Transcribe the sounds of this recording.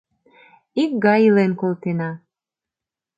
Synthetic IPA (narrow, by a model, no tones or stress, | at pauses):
ik̚ɡɑjilenkolt̪enɑ